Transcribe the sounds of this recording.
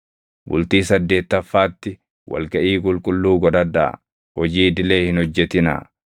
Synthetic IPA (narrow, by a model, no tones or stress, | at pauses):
bʊ̰lt̪iːsɐd̪ːe̞ːt̪ːɐfːaːt̪ːɪ | wʔɐ̰lɡɐʔiːkʼʊlkʼʊlːuːɡɔd̪ɐd̪a̰ | hɔd͡ʒiːd̪ɪle̞ːhɪnhɔd͡ʒːɛt̪ɪna̰